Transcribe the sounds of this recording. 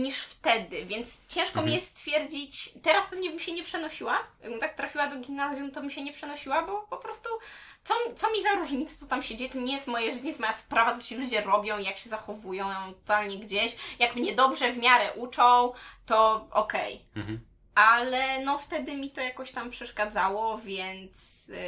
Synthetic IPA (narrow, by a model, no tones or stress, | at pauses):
ɲiʂft̪ɛd̪ɘvʲjɛnt̪st͡ɕɛ̃ʂkɔmʲijɛst̪fʲjɛɾd͡ʑit͡ɕt̪ɛɾaspɛvɲɛbɘmɕɛɲɛpʂɛnɔɕiwajaɡbɨmt̪ak̚t̪ɾafʲiwad̪ɔɡʲimnazjunt̪ɔbɘmɕɛɲɛpʂɛnɔɕiwabɔpɔpɾɔst̪u | t̪sɔmʲt̪sɔmʲizaɾuʐɲit̪sɛ̥t̪ɔt̪amɕɛd͡ʑejɛt̪ɔɲɛjɛst̪mɔjɛʐɲjɛst̪mɔjaspɾavat̪sɔt͡ɕɛlud͡ʑɛɾɔbʲjɔ̃w̃ijakɕɛzaxɔvujɔ̃w̃ɔ̃t̪ɔ̥t̪alɲɛɡd͡ʑeɕjakmɲɛd̪ɔbʐɛvmʲjaɾɛʔut͡ʂɔ̃w̃t̪ɔʔɔ̰kɛ̰j | alɛnɔft̪ɛd̪ɘmʲit̪ɔjakɔɕt̪ampʂɛʂkad̪zawɔvʲjɛnt̪s